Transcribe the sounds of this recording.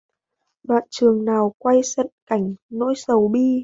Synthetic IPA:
ɗwa̰ː˧˨nt͡ɕɨ˨˩əŋnaː˨˩wkwa˧jsə̰˧˨nka˧˩jŋ̟no̰˧˥jsə˨˦wɓi˧

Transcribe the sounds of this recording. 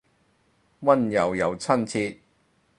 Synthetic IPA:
wɐ˥njɐ˨˩wjɐ˨˩wt͡sʰɐ˥nt͡sʰiː˧t̚

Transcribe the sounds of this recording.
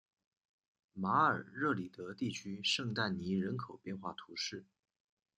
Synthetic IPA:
ma˧˥ə̰˞˨˩ɻɤ˥˩li˨˩t̪ɤ˧˥t̪i˥˩t͡ɕʰy˥ʂɤ˥˧ŋt̪a˥˩nni˧˥ɻə˧˥nkʰo˨˩ʊpjɛ˥˧nxwa˥˩t̪ʰu˧˥ʂɻ̩˥˩

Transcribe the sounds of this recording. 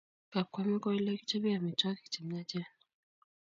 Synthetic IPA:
ka˨ka˨mi˦kɔ˦i˦lɛ˦ki̥˦t͡ʃɛ˦bi˦ja˨mi˨t͡ʃa˦ki̥˨t͡ʃi˨m˦a˦t͡ʃɛ˦n

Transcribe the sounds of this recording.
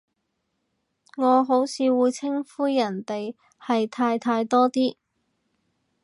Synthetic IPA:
ŋɔː˨˧ɦo˨˥wsʰiː˨˧wuː˨˧jt͡sʰɪ˥ŋfuː˥jjɐ˨˩nt̪e˨j | hɐ˨jt̪ʰaː˧jt̪ʰaː˧jt̪ɔː˥t̪iː˥

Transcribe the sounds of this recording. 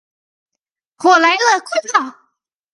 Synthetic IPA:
xwɔ˨˩la˧˥ɪlə˧kʰe˥˧ɪpʰɑ˥˨˩ʊ

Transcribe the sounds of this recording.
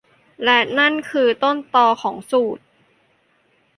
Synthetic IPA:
lɛ˧˩na˥˩nkʰɯː˧t̪o˥˩nt̪ɔː˧kʰɔː˩˦ŋsuː˨˩t̪̚

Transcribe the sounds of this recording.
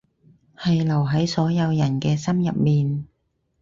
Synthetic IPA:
hɐ˨jlɐ˨˩wɦɐ˨˥jsɔː˨˥jɐ˨˧wjɐ˨˩nkɛː˧sɐ˥mjɐ˨p̚miː˨n

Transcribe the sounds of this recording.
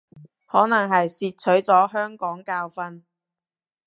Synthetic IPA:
hɔː˨˥nɐ˨˩ŋɦɐ˨jsiː˧t̚t͡ʃʰɵ˨˥ɥt͡sɔː˨˥ɦœː˥ŋkɔː˨˥ŋkaː˧wfɐ˧˥n

